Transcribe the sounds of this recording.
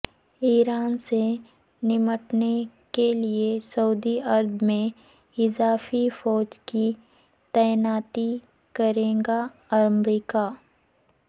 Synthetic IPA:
iːɾaːnse | nɪməʈne | keliesɐud̪iɐɾd̪mẽ | ɪzaːfifɔːd͡ʒki | t̪ɛjnaːt̪i | kɐɾẽːɡa | ɐmɾiːka

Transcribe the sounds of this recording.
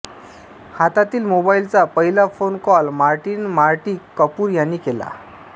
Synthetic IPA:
hat̪at̪iːlmobailt͡sapəɦilafonkɔlmaɾʈiːnmaɾʈiːkːəpuːɾjanːiːkela̰

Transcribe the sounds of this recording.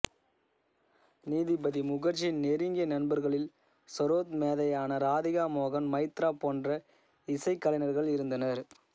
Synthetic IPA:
niːðɪbɐðimʊɣɐɾt͡ʃːɪɪnneɾɪŋɡɪɐnɐnbɐɾɣɐɭɪl | sɔɾoːt̪meːðɐjaːnɐɾaːðɪɣaːmoːɣɐnmɐɪt̪ɾaːpoːndrɐ | ɪsɐɪkːɐlɐɪnɐɾɣɐɭɪɾɯnd̪ɐnɐɾ

